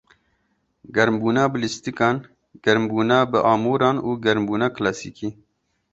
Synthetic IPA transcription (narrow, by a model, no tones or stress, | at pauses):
ɡɐɾmbuːnaːbɨlist̪ikɑːn | ɡ̥ɐɾmbuːnaːbɨʔɑːmuːɾɑːnuːɡɐɾmbuːnaːklaːsḭːkiː